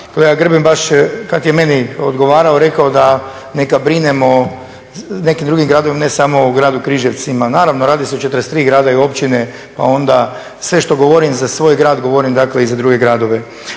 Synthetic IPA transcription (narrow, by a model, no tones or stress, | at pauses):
koleɡaɡr̩bimbaʃkat̪jeme̞niod̪ɡo̞ʋaːɾaoɾe̞kaod̪a | nekabɾinemo | ne̞kimd̪ɾuɡimɡɾaːd̪oʋimanesamo̞uɡɾaːd̪ukɾiʒeʋt̪simanaːɾaʋnoɾaːd̪iseot͡ʃet̪əɾest̪ɾiːɡɾaːd̪aio̞pt͡ʃine̞ | pa̰o̞nd̪a | sʋe̞ʃt̪o̞ɡoʋo̞ɾimzasʋo̞ːjɡɾaːd̪ɡo̞ʋo̞ɾimd̪akleizad̪ɾuɡe̞ɡɾaːd̪o̞ʋe̞